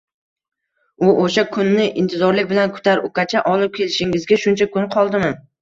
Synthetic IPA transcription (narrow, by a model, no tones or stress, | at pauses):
ʊʔoʃakʰʊnːɪʔɪnt̪ʰɪzɒɾlɪk̚ʲbɪlankʰʊ̥t̪ʰaɾʊkat͡ʃʰaʔɒlˠɪp̚kʲʰe̞lɪʃɪŋɪzɡʲaʃʊnt͡ʃʰakʰʊnqʰɒlˠd̪ɪma